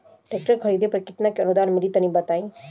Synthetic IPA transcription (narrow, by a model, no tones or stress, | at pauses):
ʈek̚ʈəɾkʰəɾid̪epɾəkɪt̪nakeənud̪aːnmɪlit̪ənĩbət̪aːĩ